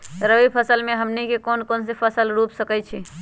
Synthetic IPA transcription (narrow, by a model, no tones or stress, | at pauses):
ɾəʋipʰəsəlmeɦəmnikekonkonsepʰəsəlɾupsəkɛt͡ʃʰi